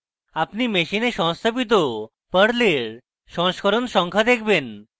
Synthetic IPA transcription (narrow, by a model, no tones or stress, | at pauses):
apnimeʃineʃɔɦst̪ʰapit̪̬o | pəɽleɾ | ʃɔŋʃkʰoɾonʃɔŋkʰad̪ekʰben